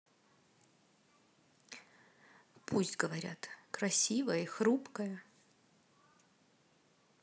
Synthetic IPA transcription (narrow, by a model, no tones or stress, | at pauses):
pʰusʲtʲɡəvɐɾʲa̰t̪kɾɐsʲivəjəixɾupkəjə